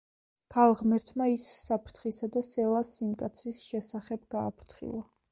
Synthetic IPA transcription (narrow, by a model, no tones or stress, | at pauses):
kʰalˠʁmɛɾt̪ʰmaisːapʰɾt̪ʰχisad̪asɛlˠasimkʼat̪sʰɾisʃɛsaχɛbɡaːpʰɾt̪ʰχḭlˠa